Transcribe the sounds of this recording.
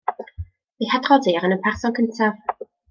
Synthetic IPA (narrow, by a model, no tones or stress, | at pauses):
ihadrɔdiaɾənənpʰarsɔnkʰəntʰav